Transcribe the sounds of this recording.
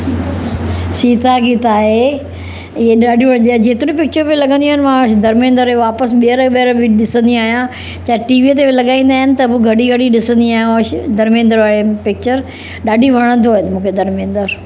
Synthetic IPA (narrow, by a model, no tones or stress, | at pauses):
siːt̪aɡit̪aːɦe | ɪɦeɗaːɖʱid͡ʑeːt̪ɪɾ̃ĩpɪk̚t͡ɕəɾbɪlɐɡə̃nd̪iaːɦɪnɪmãʃd̪ɐɾmẽːnd̪əɾʋaːpəsɓiəɾɓiəɾbɪɗɪsə̃nd̪iaːɦijã | t͡ɕaːɦʈiːʋit̪̬ebɪlɐɠaːĩːn̆d̪aːɦɪnɪ̆t̪ɐbuɡʱɐɽiɡʱɐɽiɗɪsə̃nd̪iaːɦjãʃd̪ɐɾmẽːnd̪əɾʋaːɾepɪk̚t͡ɕəɾ | ɗaːɖʱiʋʱɐɽ̃ə̃nd̪oɦɪnmũːkʰed̪ɐɾmẽːnd̪əɾ